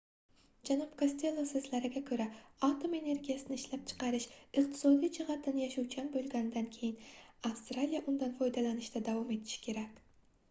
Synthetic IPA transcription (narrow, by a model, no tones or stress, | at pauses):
d͡ʒanɑpkʰosʲt̪ʰe̞lˠːosɨzlaɾɪɡʲakʲʰɵɾaat̪ʰome̞ne̞ɾɡʲijasɪnɪʃlap̚t͡ʃʰɨ̥qɑɾɪʃɨq̚t̪ʰɪ̥sɒd̪ijd͡ʒɪʁɑt̪ʰːɪnɪjaʃuwt͡ʃʰanbolˠɡʲanɪd̪ankʲʰejɪnafst̪ɾalijaʔʊnd̪anfɒjd̪alanɪʃt̪ad̪avɒme̞t̪ʰɪ̥ʃɪ̥kʲʰe̞ɾakʲ